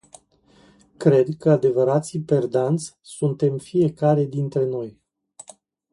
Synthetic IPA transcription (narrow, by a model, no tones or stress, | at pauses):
kɾe̞d̪kəad̪e̞vəɾat̪sipe̞rd̪ant̪sʲsunt̪e̞mfije̞kaɾe̞d̪int̪ɾe̞no̞j